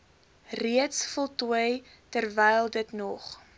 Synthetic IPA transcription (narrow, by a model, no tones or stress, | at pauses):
riətsfɔlˠtuəj | tərvɛjlˠdətnɔχ